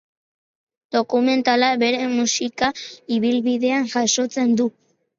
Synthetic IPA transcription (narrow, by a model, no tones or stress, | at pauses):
d̪̥o̞kume̞nt̪alaβe̞ɾe̞musikaiβilβiðe̞aŋʝaso̞t͡se̞nd̪u